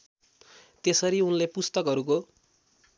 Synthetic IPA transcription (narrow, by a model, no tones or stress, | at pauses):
t̪esʌɾiunlepust̪ʌkɦʌɾuko